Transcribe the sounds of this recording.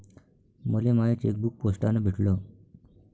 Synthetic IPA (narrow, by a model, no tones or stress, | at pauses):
məlemaet͡sḛk̚buk̚posʈanəbʱiʈʰlo